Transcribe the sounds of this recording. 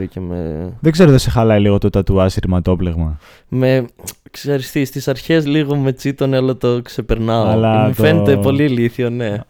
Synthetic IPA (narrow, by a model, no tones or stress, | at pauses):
ɾicemḛðeɡze̞ɾoðesexɐlɐiliɣot̪ot̪ɐt̪uɐsiɾmɐt̪o̞pleɣmɐ | me̞ksɐɾist̪ist̪isɐɾçe̞zliɣo̞me̞t͡sit̪o̞nɐlot̪okse̞peɾnɐolɐufe̞net̪epo̞liliθione̞